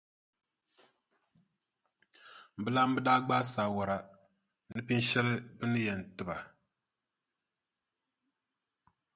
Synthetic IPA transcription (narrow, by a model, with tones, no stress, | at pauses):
m̩˨bɨ˦la˦m̩˦bɨ˦daː˦ɡ͡ba˦saː˨wɔ˨ɾa˨ | nɨ˦pi˦n˦ʃɛ˦lɨ˦bɨ˦nɨ˦jɛ˨n˨tɨ˨ba˨